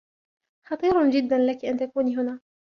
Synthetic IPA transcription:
xɑt̪ˤiːɾd͡ʒɪd̪ːanlakʔant̪akuːniɦʊnaː

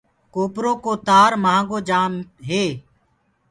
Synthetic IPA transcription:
koːpɾoːkoːt̪aːɾmãːŋɡoːd͡ʒaːmɦeː

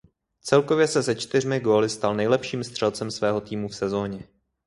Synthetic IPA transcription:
t͡sɛlko̞vjɛsɛsɛt͡ʃt̪ɪr̝mɪɡo̞ːlɪst̪alnɛjlɛpʃiːmst̪r̥ɛlt͡sɛmsvɛːɦo̞t̪iːmufsɛzo̞ːɲɛ

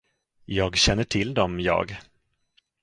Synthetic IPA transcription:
jɑːɡɕɛnːəʈʰɪld̪ɔmjɑ̰ːɡ

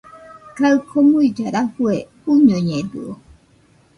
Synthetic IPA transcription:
kaɯkʰomuid͡ʒaɾafue | uɲoɲeduo

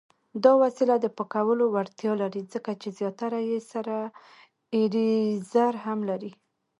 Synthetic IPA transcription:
d̪ɑwasilad̪əpəkawəlowaɾt̪jɑlaɾid͡zəkat͡ʃezjɑt̪aɾajesaɾa | eɾizaɾhamlaɾi

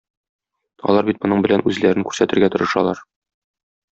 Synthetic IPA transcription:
ɒ̰lˠɑɾbit̪mŏnɤɴbɘ̆lænʉzlæɾɘŋkʉɾsæt̪ɘ̆ɾɡæt̪ŏɾɤ̆ʃɑlˠɑɾ

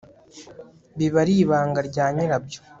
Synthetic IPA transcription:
βiβaɾiːβaːŋɡaɾɟaːɲiɾabjo

